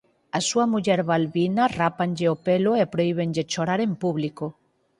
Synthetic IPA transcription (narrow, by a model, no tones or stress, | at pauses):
asuamuʎɛɾβalβinarapanʲʎeopeloepɾoiβ̞enʎet͡ʃoɾaɾempuβliko